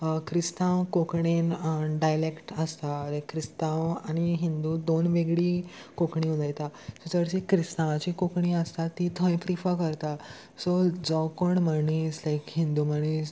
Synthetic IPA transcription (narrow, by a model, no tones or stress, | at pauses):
kɾist̪ãʋkokɳenɖajlekʈəst̪alakɾist̪ãwañiɦind̪ud̪onʋeɡɽiː | kokɳĩud͡zajt̪asot͡səɽt͡ɕikɾist̪ãʋat͡ɕikokɳiəst̪at̪it̪ʰə̃jpɾifəkəɾt̪a | sod͡zɔkoɳməɳiːslajkɦĩnd̪uməɽ̃iːs